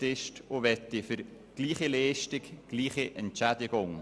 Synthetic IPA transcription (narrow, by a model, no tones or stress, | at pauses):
tɪʃtʊʋɛt̪ːɪfʏɾ | ɡ̥liːχilɛːʃtɪkɡ̥liːχiʔɛntt͡ʃædɪɡ̥ʊŋ